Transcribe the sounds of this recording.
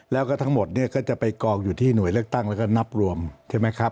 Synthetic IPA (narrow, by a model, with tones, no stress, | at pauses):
lɛː˦˥wkɔː˥˩t̪ʰa˦˥ŋmo˨˩t̪̚ni˥˩ɐkɔː˥˩t͡ɕa˨˩pa˧jkɔː˧˩k̚juː˨˩t̪ʰiː˥˩nu˨˩˦jlɯ˥˩ək̚t̪a˥˩ŋlɛː˦˥wkɔː˥˩na˦˥p̚ɾu˧əmt͡ɕʰaː˥˩ma˦˥jkʰa˦˥p̚